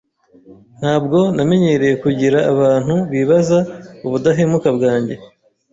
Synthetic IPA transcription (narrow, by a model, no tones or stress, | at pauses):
n̥haːbɡo̞name̞ɲe̞ɾe̞jekuɟiɾaːβaːn̥huβiːβazauβudaɦemukabɡaːɲɟe̞